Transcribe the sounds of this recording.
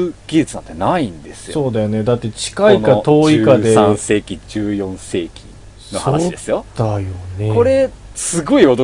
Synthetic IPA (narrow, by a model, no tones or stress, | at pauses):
ɡ̥ʲid͡ʑɨt͡sɨnã̰nt̪enaĩnd̪e̞sɨ̥joso̞ːd̪ajo̞ne̞d̪at̪ːe̞t͡ɕi̥kainkat̪o̞ːikad̪e̞ãse̞ːkʲid͡ʑɨːjõ̞ɰ̃se̞ːkʲʰḭ | nosaoːd̪esɨjod̪ajo̞neko̞ɾe̞ | sɨɡo̞iat̪o